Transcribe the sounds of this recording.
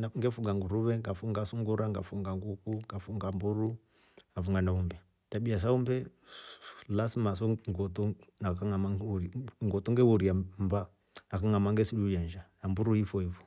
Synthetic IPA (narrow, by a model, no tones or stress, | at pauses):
naŋɡɛfuŋɡaŋɡuɾuβɛŋɡafuŋɡasuŋɡuɾaŋɡafuŋɡaŋɡukuŋɡafuŋɡambuɾu | afuŋɡanaumbɛ | tabias̬aumbɛ | lasmas̬ɔŋɡɔtɔnakaŋamauŋɡɔtɔŋɡɛhuɾiambaː | kaŋamaŋɡɛsilujand͡ʒanambuɾuifɔifɔ̥